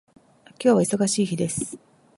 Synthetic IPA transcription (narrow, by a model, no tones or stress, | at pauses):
akʲo̞ːβaiso̞ɡaɕiːçid̪e̞sɨ̥